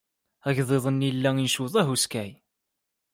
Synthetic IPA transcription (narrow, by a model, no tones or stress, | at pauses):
æʝðˤeðˤənːilːæinʃuðˤæɦuskæj